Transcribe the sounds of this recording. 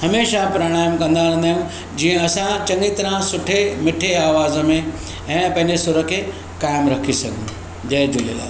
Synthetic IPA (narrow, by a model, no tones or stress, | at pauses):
hɐmeːʃapɾɐɽ̃aːjəmkɐ̃nd̪aːɽ̃nd̪aːɦjũ | d͡ʑiːə̃ɐsãt͡ɕɐ̃ŋɡit̪ɐɾãsʊʈʰemɪʈʰeaːʋaːzəmẽ | ɛ̃ːpɐ̃ɦɪ̃ɲd͡ʑesʊɾəkʰːe | kaːɪmɾɐkʰisɐɡ̃ʱ | d͡ʑɐd͡ʑoːliəla̰ː